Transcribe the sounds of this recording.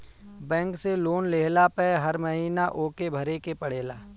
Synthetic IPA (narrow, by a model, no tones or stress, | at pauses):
bɛ̃ːŋkseloːnleːlapɛːɦɐɾməɦiːnaʔoːkebʱɐɾekepəɽ̤eːlaː